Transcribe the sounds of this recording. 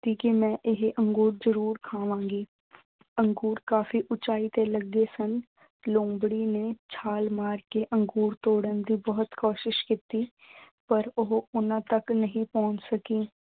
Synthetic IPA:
t̪iːkemɛ̃ːʔɪɦʔə̃ŋɡuːɾzəɾuːɾkʰaːʋãːŋɡiː | əŋɡuːɾkaːfiːʔʊt͡ʃaːit̪eləɡesən | lõːbɽiːneːt͡ʃʰaːlmaːɾkeʔə̃ŋɡuːɾt̪oːɽənd̪iːbəɦʊt̪koːʃɪʃkɪt̪iː | pəɾʊɦʊnãːt̪əknəɦĩːpɔ̃ːɲt͡ʃsəkiː

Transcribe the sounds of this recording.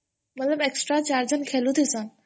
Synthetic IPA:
mɐt̪lɐbeksʈɾat͡ɕaɾd͡ʑɐnkʰelut̪ʰisan

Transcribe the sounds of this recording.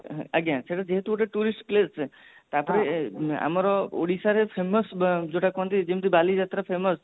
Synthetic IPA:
əɡjãt͡ʃʰeʈad͡ʒeɦt̪ʰoʈ̬eʈuɾisʈklest͡ʃʰet̪apɔɾea̰maɾɔo̰ɽisaɾepʰeməsd͡ʒoʈakɔnt̪id͡ʒemt̪ibalid͡ʒat̪ɾapʰeməs

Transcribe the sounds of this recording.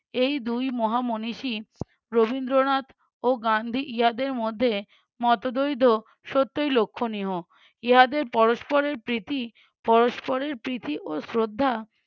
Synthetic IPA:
ejd̪ujmɔɦamoniʃi | ɾobind̪ɾonat̪ | oɡand̪ʱiʔiɦad̪eɾmod̪ʱːe | mɔt̪od̪ojd̪ʱo | ʃot̪ːojlokʰːoniɦo | iɦad̪eɾpɔɾoʃpoɾeɾpɾit̪ʰi | pɔɾoʃpoɾeɾpɾit̪ʰiʔosɾod̪ʱːa

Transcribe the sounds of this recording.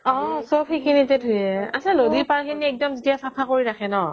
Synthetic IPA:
ɔ̃sɔpxejkʰinitɛtʰʊjɛasalodipaɹkʰiniɛk̚dɔmzetijasapʰakoɹiɹakʰɛnɔ

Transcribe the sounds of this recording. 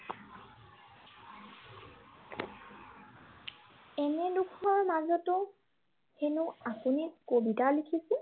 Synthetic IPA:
ɛnɛdukʰɔɹmazɔtʊ | henuapunikobitalikʰisɛ

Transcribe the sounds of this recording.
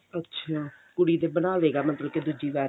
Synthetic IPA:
ətːʃʰaː | kʊɽiːd̪eːbəñaːʋeːɡaːmət̪ləbked̪ud͡ʒiːʋɛː

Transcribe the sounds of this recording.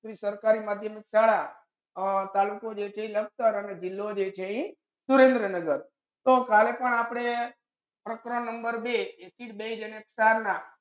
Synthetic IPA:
ɾisəɾkaɾimad̪ʱjəmiksaɽa | t̪alukod͡ʒet͡ʃʰẽĩləɡ̚t̪əɾəned͡ʒɪlːod͡ʒet͡ʃʰeĩ | suɾẽnd̪ɾənəɡəɾ | t̪okʰalepəɳapɽ̃e | pɾəkɾənəmbəɾbesiʈ̚beid͡ʒeneksaɾna

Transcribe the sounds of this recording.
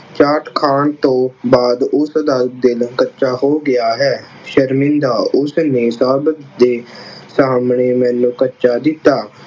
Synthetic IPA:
t͡ʃaːʈkʰaːɳt̪õːbaːd̪ʊsəd̪aːlət̪̚d̪ɪlkətːʃaːɦoːɡɪaːɦɛː | ʃəɾmɪ̃nd̪aːʔʊsneːsaːbət̪d̪eːsaːmɳeːmɛːnũːkətːʃaːd̪ɪt̪ːaː

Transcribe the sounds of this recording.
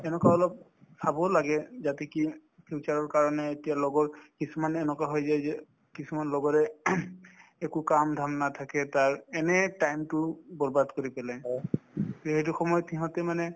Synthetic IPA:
ɛnɛkaɔlɔp̚ | sʰabɔlaɡɛzatɛki | pʰiut͡ʃaɹɔɹkaɹɔnɛːtijalɔɡɔɹkisumanɛnɔkaɦɔjzajzɛ | kisumanlɔɡɔɹɛ | ɛkukamdʱamnat̪ʰakɛtaɹɛnɛtajmtʊbɔɹbadkoɹipɛlaj | het̬uxɔmɔjɔtʰiɦɔ̃tɛmanɛ

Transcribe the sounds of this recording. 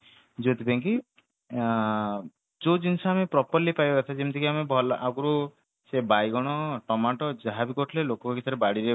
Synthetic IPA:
d͡ʒot̪ʰipaŋki | d͡ʒod͡ʒinsaamepɾɔpɔɾlipajbkat̪ʰad͡ʒemt̪ʰikiamebʱɔlʔaɡuɾu | sebajɡɔɽ̃ɔʈɔmaʈɔd͡ʒaɦabikɔʈʰlelokɔkɔkit̪ʰaɾebaɽiɾe

